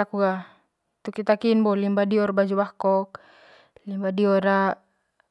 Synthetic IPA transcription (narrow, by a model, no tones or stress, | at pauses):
akuɡa | t̪ukit̪akinbɔlimbadiɔrbad͡ʒubahkɔk̚ | limbadiɔɾa